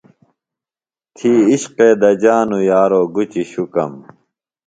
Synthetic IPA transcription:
t̪ʰiːiɕqeːd̪ɐd͡ʑaːnujaːɾoːɡut͡ɕiɕukɐ̰m

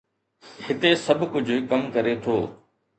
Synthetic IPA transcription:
hɪt̪esɐbʱkʊd͡ʑʱkɐmkɐɾet̪ʰoː

